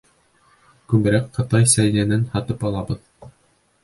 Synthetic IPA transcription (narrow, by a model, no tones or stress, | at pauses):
kʉmɘ̆ɾækqɤ̆t̪ɑjsæjnænænhɑt̪ɤpɑlˠɑbɤð